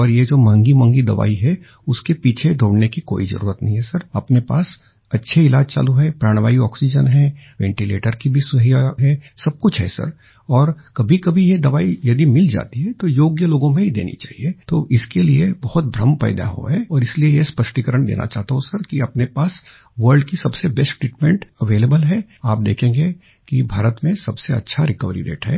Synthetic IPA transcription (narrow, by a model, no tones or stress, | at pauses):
ɔːɾjed͡ʒoːmɐ̃ŋɡimɐ̃ŋɡid̪ɐʋa̰ːiɦɛ | ʊskepiːt͡ʃʰed̪ʱoːɽnekiko̰ːizɐ̰ɾṵːɾət̪nɐ̰ɦĩɦɛsɐɾɐpnepa̰ːs | ɐtːʃʰeɪlaːd͡ʒt͡ʃa̰ːluɦɛpɾaːɽ̃ʋaːiɔːksid͡ʒənɦɛ̃ːʋɛ̃ːɳʈilḛːʈəɾkibʱisʊɦijaɦɛsɐb̚kʊt͡ʃʰɦɛ̰sɐ̰ɾ | ɔːɾkɐbʱikɐbʱijed̪ɐʋaːijɐd̪imɪld͡ʒa̰ːt̪iɦɛt̪ojoːɡjəloːɡõmẽɦid̪ḛːnḭt͡ʃa̰ːɦiet̪oːʔɪskeliebɐhʊt̪̚bʱɾɐmpɛ̰ːd̪a̰ɦo̰ɦɛɔːɾɪsliejespəʃʈikəɾəɽ̃d̪ḛːna̰t͡ʃaːɦt̪aɦõsɐɾkiɐpnepaːs | ʋəɾɖkisɐbsebɛsʈʈɾiːʈmɛ̃ɳʈɐʋeːlebəlɦɛaːp̚d̪ḛːkʰẽːŋɡe | kibʱaːɾət̪mẽsɐbseɐ̰tːʃʰaɾɪkəʋɾḭɾḛːʈɦɛ̰ː